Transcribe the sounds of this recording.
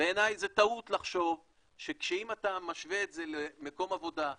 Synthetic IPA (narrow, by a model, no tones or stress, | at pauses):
beːnajzet̪aut̪laχʃo̞v | ʃekʃeimat̪amaʃveet̪ze̞lemeko̞mavo̞da